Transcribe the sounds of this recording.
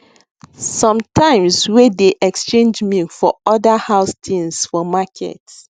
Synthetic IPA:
sɔ̃mtʰãɪ̃mswedeʔɛkst͡ʃẽnd͡ʒmĩfɔɔdahaʊstʰĩnsfɔmakʰɛ̰t

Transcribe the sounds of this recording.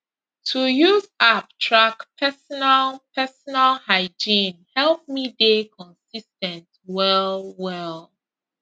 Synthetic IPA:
tʰujuzap̚tʰɹakpʰɛsɔnalpʰɛsɔnalhaɪd͡ʒĩnhɛlˠp̚midekʰɔ̃nsistɛ̃nt | wɛlwɛl

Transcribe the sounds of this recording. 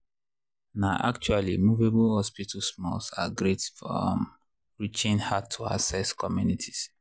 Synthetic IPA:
naʊʔa̰k̚t͡ʃualimuveblhɔspitʰəsmɔ̰lsa̰ɡɹetfɔ̰m | ɹit͡ʃĩnhatʰːua̰sɛskʰɔmjunitʰi̥s

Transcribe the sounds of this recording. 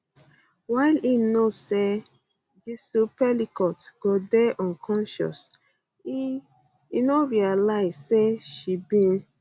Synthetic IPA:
waɪlimnose | d͡ʒisupɛlikɔtɡ̥odɛʔɔ̃nkʰɔ̃nʃɔ̰s | i | inoɾialaɪseʃibĩn

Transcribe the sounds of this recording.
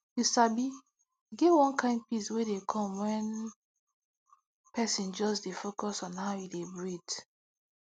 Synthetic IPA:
jusabi | ɡevwɔ̃nkãɪ̃nd̚piswedekʰɔ̃mwɛ̃n | pʰɛsĩnd͡ʒɔsdefokɔsɔ̃nhaʊidebɹid

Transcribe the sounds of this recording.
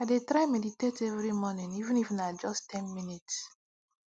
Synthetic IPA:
aɪdetɹajmɛditetɛvɹimɔnĩnivũnifnad͡ʒɔstʰɛ̃nminits

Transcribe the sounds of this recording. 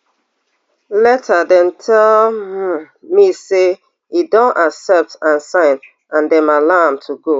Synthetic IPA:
lɛtʰadɛ̃ntʰɛl̩ | mise | idɔ̃naksɛp̚tãnsãɪ̃n | ãndɛ̃malamtʰuɡo

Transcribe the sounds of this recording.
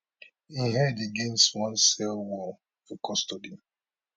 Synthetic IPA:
iɦɛdeɡẽnstwãnsɛlwɔl | fɔkɔstodi

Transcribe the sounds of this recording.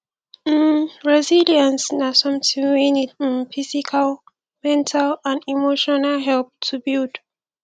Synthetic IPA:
ɹɛziliãnsnasʌ̃mtĩŋwinidnfisikʰal | mɛ̃ntʰalãndimoʃɔnalɦɛlp̚tʰubild

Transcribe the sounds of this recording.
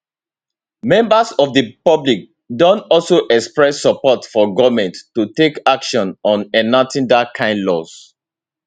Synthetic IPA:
mɛ̃mbasɔvdəpɔblik̚ | dõntɔlsoʔɛkspɹɛsːɔpɔtfɔɡɔvmɛ̃ntːutekakʃɔ̃nɔ̃nɛnatĩndakʰãɪ̃ndlɔs

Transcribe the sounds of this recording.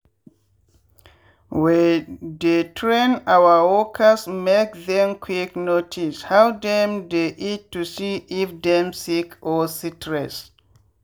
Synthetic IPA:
wɛdetʰɹẽnawawɔkʰasmek̚ðɛ̃mkʰwiknotʰishawdɛ̃md̪eʔitːusiifdɛ̃msikʰɔsitʰɹɛs

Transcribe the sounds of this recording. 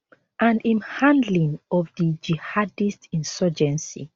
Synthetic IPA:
ʔãndĩmhãndlĩŋɔvdid͡ʒihadistĩnsɔd͡ʒɛ̃nsḭ

